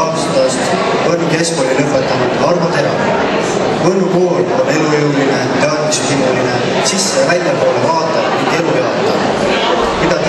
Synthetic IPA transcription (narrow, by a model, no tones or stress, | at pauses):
ɑst̪ɑst̪ | porike̞skolʲilɤpːˑet̪ːˑɑnud̪̥ɑrmɑt̪eɾɑv | vɤnukoːlonːe̞lujewlinet̪eɑːt̪vmisut̪imoline | sisːevælʲjɑpo̞ːlevɑːt̪ːˑɑt̪mit̪e̞lujeɑt̪ːˑɑn | mid̪ɑt̪